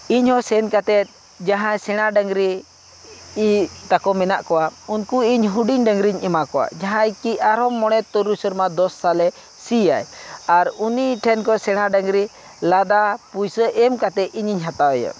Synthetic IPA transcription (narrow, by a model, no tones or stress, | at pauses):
iɲhɔsɛnkat̪ɛt̪̚ˀ | d͡ʒaɦãjsɛɽ̃aɖaŋɾi | it̪akɔmɛnaʔkɔwaunkuiɲɦuɖiɲɖəŋɾiɲɛmakɔwa̰ʔd͡ʒaɦãjkiaɾɔmːɔɽ̃ɛt̪ːɔɾusəɾmad̪ɔsːalɛ | sija̰jaɾuniʈʰɛnkɔsɛɽ̃aɖəŋɾi | lad̪apujsəʔɛmkat̪ɛʔ̪iɲiɲɦat̪awɛja̰